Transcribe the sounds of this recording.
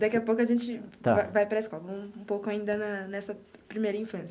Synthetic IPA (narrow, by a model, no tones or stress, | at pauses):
d̪akiɐpowkʊɐʒẽt͡ʃɪt̪a̰vajvajpɾɐeskawvɐ̃ũpowkʊaĩnd̪ɐnɐnɛsɐpɾimejɾɐĩfɐ̃sjɐ